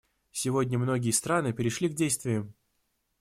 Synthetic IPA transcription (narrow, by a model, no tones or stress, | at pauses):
sʲɪvo̞dʲnʲəmno̞ɡʲɪjəst̪ɾanɨpʲɪɾʲɪʂlʲiɡdʲejst̪vʲɪjʊ